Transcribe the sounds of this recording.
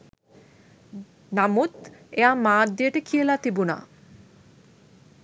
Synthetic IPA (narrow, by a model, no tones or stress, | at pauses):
namut̪eamaːd̪ieʈekʰielat̪ibuna̰